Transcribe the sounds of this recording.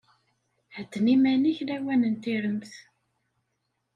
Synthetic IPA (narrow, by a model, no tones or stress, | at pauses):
ħəd̪ːnimæniçlæwænənt̪iɾəmθ